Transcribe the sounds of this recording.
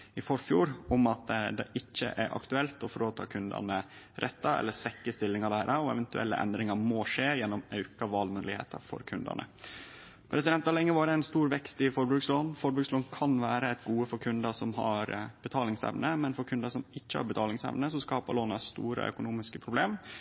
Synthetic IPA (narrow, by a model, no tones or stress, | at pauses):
ɪfɔɾfjuːɾɔmɑt̪d̪ɛ̰ʔɪçːə̰ʔæɾʔɑ̰kt̪ʉɛlt̪ɔfɔɾoːt̪ʰɑ̰ːkʰʉnd̪ə̰nə | ɾʔɛt̪ːɑɛ̰lːəsʋɛkːəst̪ɪlːɪŋɑd̪æːɾɑɔɛ̰ʋɛnt̪ʉɛ̰lːə̰ʔɛ̰nd̪ɾɪŋɑɾmɔʂeːjɛnːɔmœʉkɑʋɑːlmʉːlɪhḛːt̪ɑ̰fɔ̰ɾkʰʉnd̪ə̰nə̰ | pʰɾɛsɪd̪ɛnt̪ɑlɛŋːəʋɑːɾəæɪnst̪uːɾʋɛkst̪ɪfɔɾbɾʉːksloːnfɔɾbɾʉksloːnkʰɑnʋæːɾəɛɪt̪ɡuːəfɔɾkʰʉnd̪əsɔmɦɑ̰ɾb̥ət̪ʰɑːlɪŋsɛ̰ʋnəmɛnfɔɾkʰʉnd̪əsɔmɪçːəhɑ̰ɾbət̪ʰɑːlɪŋsɛ̰ʋnəsɔskɑːpə̰loːnɑst̪ṵːɾə̰ʔœ̰kʊnuːmɪskəpʰɾʊbleːm